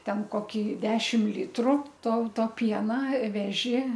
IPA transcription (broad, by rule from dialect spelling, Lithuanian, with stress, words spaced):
ˈtʲɛn koːˈkʲiː ˈdʲæːʃʲɪm ˈlʲiːtrʊ ˈtɐʊ ˈtoː ˈpʲiɛnɐ ˈʋʲæːʒʲɪ